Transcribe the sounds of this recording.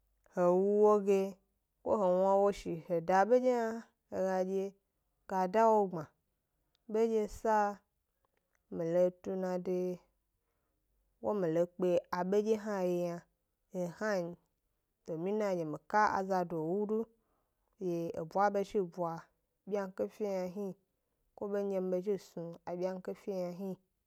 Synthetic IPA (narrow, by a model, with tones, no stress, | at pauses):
he˨wu˦wo˦ɡe˧ | ko̰˦ɦe˨wã˦wo˦ʃi˨he˨da˨ɓe˦d͡ʒe˦a˦ | e˨ɡa˧d͡ʒe˦˧ | ɡ̥a˨da˦wo˦ɡ͡bã˨ | be˦d͡ʒe˦sa˦ | mi˨lo˧tu˧nã˨de˧ | wo˦mĩ˨lo˨k͡pe˨a˨ɓe˦d͡ʒe˦ɦa˦je˧˨ja˧ | e˨ha˦ɲi˨ | to˨mĩ˦nã˦˨je˨mi˨ka˦a̰˨za˧do˨wu˦du˦ | je˨e˨bʷa˦be˦ʃi˦˨bu˨a˨ | bʲi˦a˦ŋ˦ke˦fʲi˦ja˧ɦi˦ | kʷo˦be˦ɲe˧m˦be˧ʃ̬i˦˨sũ˨a˨bʲa˦ŋ̩˦ke˦fʲi˦ɲa˧ɦi˦